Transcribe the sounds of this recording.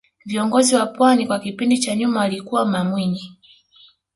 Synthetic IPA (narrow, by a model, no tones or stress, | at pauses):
viɔŋɡɔziwapwanikwakipindit͡ʃaɲumawalikuwamamwiɲi